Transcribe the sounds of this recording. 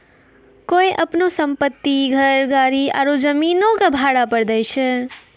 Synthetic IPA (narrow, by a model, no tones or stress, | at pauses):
kojʔəpnosəmpət̪ːiɡʱəɾɡaɾia̰ɾod͡ʒəminokabʱaɽapəɾd̪əjt͡ʃʰe